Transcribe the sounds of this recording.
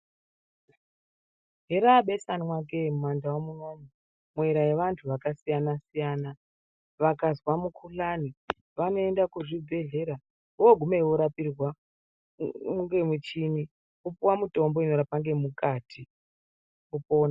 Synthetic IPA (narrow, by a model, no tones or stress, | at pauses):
ɦeɾaɓe̞sanmwak̬emumwandawomunoni | mwe̞ɾaje̞ʋantʰuʋakasijanasijaːna | ʋakazwamukʰulani | ʋano̞endakuʐibʱe̞ɮe̞ɾa | woɡʱumeiwoɾapirwa | uŋɡe̞mut͡ʃini | upuwamuto̞mbo̞ino̞ɾapaŋɡe̞mukaːtʰi | upo̞ːna